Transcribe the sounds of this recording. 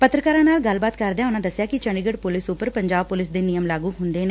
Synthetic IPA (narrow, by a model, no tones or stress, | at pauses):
pət̪ɾəkaːɾãnaːlɡɐlbaːt̪kɐɾd̪ejãʊnãd̪əsːjakit͡ʃə̃ɳɖɪɡəɽpʊlɪsʊpəɾpə̃ɲd͡ʒaːbpʊlɪsd̪enijəmlaːɡuɦʊ̃nd̪ene